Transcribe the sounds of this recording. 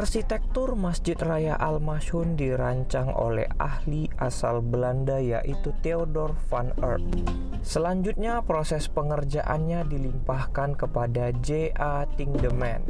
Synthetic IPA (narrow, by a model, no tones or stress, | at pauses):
arsit̪ɛk̚t̪ʊrmasd͡ʒɪt̪rajaʔalmaʃʊndiɾaɲt͡ʃaŋʔo̰lɛ̰ha̰hliʔasalbəlandaja̰ʔit̪ut̪eodɔrfanə̰rt̪̚ | səlaɲd͡ʒut̪̚ɲapɾosɛspəŋərd͡ʒaʔa̰nɲadilimpahkankəpada | d͡ʒeʔa | t̪iŋdəmɛ̰n